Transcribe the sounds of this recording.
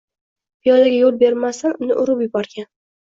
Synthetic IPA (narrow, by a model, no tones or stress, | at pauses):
pijɒlaɡʲajolˠbe̞ɾmasanʊnɪ̰ʔʊɾʊpjʊbɒɾɡʲan